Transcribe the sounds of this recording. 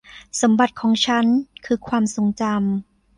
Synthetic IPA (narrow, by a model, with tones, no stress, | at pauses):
so˩˦mba˨˩t̪̚kʰɔː˩˦ŋt͡ɕʰa˦˥nkʰɯː˧˩kʰwaː˧mso˩˦ŋt͡ɕa˧m